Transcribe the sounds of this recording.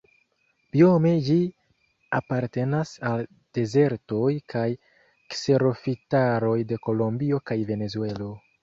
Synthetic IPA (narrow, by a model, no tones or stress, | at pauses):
b̥io̞me̞d͡ʒi | apaɾte̞nasal | d̥e̞ze̞ɾto̞jkʰaj | kse̞ɾo̞fitaɾo̞jde̞ko̞lo̞mbio̞kajve̞ne̞zue̞lo̞